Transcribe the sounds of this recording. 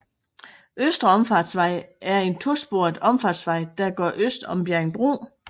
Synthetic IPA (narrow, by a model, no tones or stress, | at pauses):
ʔøsd̥ʁɐɒ̽mfɑ̈ːd̥sʋɑ̈ɪ̰ʔæɐe̝nt͡sʰo̝sb̥o̝ɐd̥ˠɒ̽mfɑ̈d̥sʋɑ̈ɪd̥æɡ̥ɶ̰ɐʔøsd̥ɒ̽mb̥jæɐŋb̥ʁo̰ː